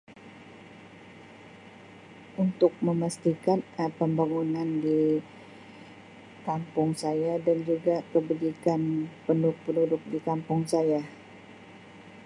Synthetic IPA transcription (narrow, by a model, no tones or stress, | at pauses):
ʔunt̪ʊk̚məmast̪ikanəpəmbaŋunandi | kampʊŋsajadand͡ʒuɡakəbud͡ʒikanpəndʊk̚pənudʊk̚dikampʊŋsaja